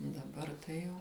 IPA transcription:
dɐˈbɐr tɐɪ ˈjɛʊ

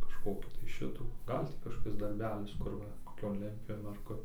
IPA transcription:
kɐʃˈkoːkʲiː tɐɪ ˈʃʲɪtuː ˈɡɐlʲ tʲiː kɐʃkoːˈkʲɪs dɐrʲˈbʲæːlʲɪs ˈkʊr ʋɐ koːˈkʲoːn ˈlʲɛnʲtʲpʲjuːʋʲeːn ɐr ˈkʊr

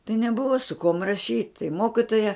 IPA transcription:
tɐɪ nʲɛˈbʊʋoː sʊ kuɔm rɐˈʃʲiːt tɐɪ ˈmoːkʲɪtoːjɛ

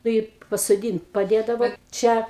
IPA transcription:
ˈnʊ ɪ pɐsoːˈdʲiːnt pɐˈdʲeːdɐʋɐ ˈt͡ʃʲɛ

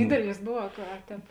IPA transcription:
ˈdʲiːdʲɛlʲɪs ˈbʊw ɐ kɐ ɐ ˈtʲɛːp

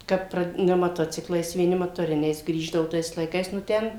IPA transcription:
ˈkɐt ˈprɐ nʲɛ mɐˈtoːt͡sʲɪklˠɐɪs ʋʲiɛˈnʲɪ mɐtoːˈrʲɪnʲɛɪs ˈɡrʲiːʒdɐʋʊ ˈtɐɪs lˠɐɪˈkɐɪs nʊ ˈtʲɛn

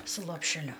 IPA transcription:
sʊ lˠoːpʲʃʲɛˈlʲʊ

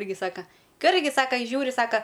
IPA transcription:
ˈɪrʲɡʲɪ ˈsɑːkɐ ˈkɐ ˈɪrʲɡʲɪ ˈsɑːkɐ ɪ ˈʒʲuːrʲɪ ˈsɑːkɐ

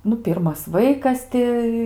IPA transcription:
ˈnʊ ˈpʲɪrmɐs ˈʋɐɪkɐs tʲɪ

